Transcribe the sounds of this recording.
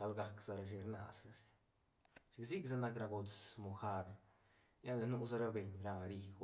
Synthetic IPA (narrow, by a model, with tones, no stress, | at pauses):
sa˧lɡa˧kz̥a˧ɾa˧ʃ̬i˧ɾna̰˨sa˧ʃi˧ | ʃkzi˦kza˦na˧kɾa˧ɡo˧t͡smo˨xa˧ɾ | ja˦lda˧nu˧˦za˦ɾa˧be˨˧ɲɾa˧ɾi˧ɡ